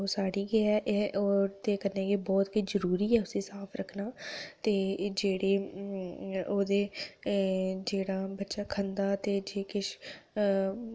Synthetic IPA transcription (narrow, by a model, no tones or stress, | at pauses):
osaːɽiɡeɛʔɛʔɔːɾt̪ekəɾnekebɔːt̪kid͡ʒəɾuːɾiːɛːʊsesaːpʰɾəkʰnaːt̪eːd͡ʒeːɽeː | oːd̪eː | d͡ʒeːɽaːbətːʃaːkʰə̃nd̪aːt̪eːd͡ʒeːkɪʃ